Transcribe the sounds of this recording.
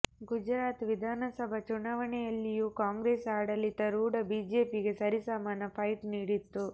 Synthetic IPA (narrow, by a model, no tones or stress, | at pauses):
ɡud͡ʒɾaːt̪ʋid̪ʱaːnɐsɐbʱɐt͡ʃunaːʋɐɳɛjɐlːijukaːŋɡɾeːsaːɽɐlit̪ɐɾuːɖɐbiːd͡ʒe̞ːpiɡe̞sɐɾisaːmaːnɐpʰɐjʈniːɽit̪ːu